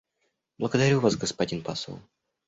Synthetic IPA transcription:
blˠəɡəd̪ɐɾʲuvasɡəspɐdʲinpa̰sə̰lˠ

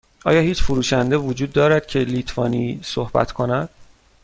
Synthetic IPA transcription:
ʔɒ̰ːjɒːhiːt͡ʃfuɾuːʃænd̪evod͡ʒuːd̪ːɒːɾæd̪̥̚cʰe̞lit̪ʰvɒːniːsohbæ̰t̪ʰkʰo̞næd̪̥

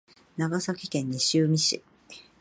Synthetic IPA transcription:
naɡasakʲi̥kẽ̞ɲ̟ːiɕɨːmʲiɕḭ

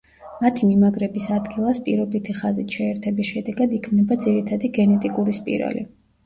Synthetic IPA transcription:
mat̪ʰimimaɡɾɛbisad̪ɡilˠaspʼḭɾɔbit̪ʰiχazit̪ʃɛɛɾt̪ʰɛbisʃɛd̪ɛɡad̪ikʰmnɛbad̪ziɾit̪ʰad̪iɡɛnɛt̪ʼikʼuɾispʼḭɾa̰lḭ

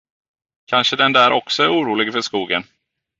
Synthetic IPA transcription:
kʰanʂəd̪ɛnd̪æːɾʔɔksɔæɾuːɾuːlɪɡfœʂkuːɡən

